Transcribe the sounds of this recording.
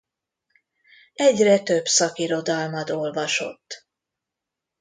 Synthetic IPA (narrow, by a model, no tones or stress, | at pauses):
ɛɟrɛt̪ø̞bsɒkiɾo̞d̪ɒlmɒd̪o̞lvɒʃo̞̰t̪ː